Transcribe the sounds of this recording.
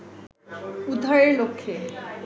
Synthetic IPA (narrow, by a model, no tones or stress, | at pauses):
ud̪ʱːaɾeɾlokʰːe